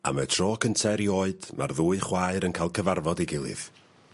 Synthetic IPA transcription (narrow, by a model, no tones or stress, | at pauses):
a̰mətʰrɔːkʰəntʰɛɾioːɨd̥mʔa̰rðuːɨχwaːɨɾənkʰaːlˠkʰəvarvɔdiɡɪlˠɨ̰ð